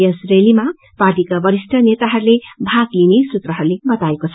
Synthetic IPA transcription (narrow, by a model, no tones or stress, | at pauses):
ʌsrelima | parʈikabʌɾisʈʰʌnet̪aɦʌɾulebʱaɡlinesut̪rʌɦʌɾulebʌt̪aekot͡sʰʌ